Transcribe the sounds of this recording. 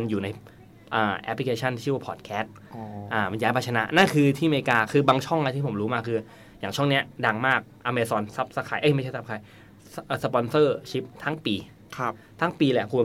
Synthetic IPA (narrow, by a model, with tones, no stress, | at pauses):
njuː˨˩na˧j | ʔaː˨˩ʔɛ˦˥pli˧kʰeː˧t͡ɕʰa˥˩nt̪ʰi˦˥˩waː˥˩pʰɔː˨˩t̪̚kʰɛː˦˥st̪̚ː | ʔaː˨˧˩ma˧nja˦˥ba˧tt͡ɕʰa˧na̰˦˥ʔna˥˩nkʰɯː˧t̪ʰiː˥˩meː˧kaː˧kʰɯː˧baː˧ŋt͡ɕʰɔ˥˩ŋla˧t̪ʰiː˥˩pʰo˩˦mɾuː˦˥maː˧kʰɯː˧ | jaː˨˩ŋt͡ɕʰɔ˥˩ŋni˦˥ɐdaː˧ŋmaː˥˩k̚ʔaː˧meː˧sɔː˧nsa˦˥p̚sa˧˩kʰaː˧jʔa˧˩ma˥˩a˥˩sa˦˥p̚kʰa˧˩j | ʔːsa˧pɔ˧nsɤː˥˩t͡ɕʰi˦˥p̚t̪ʰa˦˥ŋpiː˧ | t̪ʰa˦˥ŋpiː˧lɛ˨˧˩kʰu˧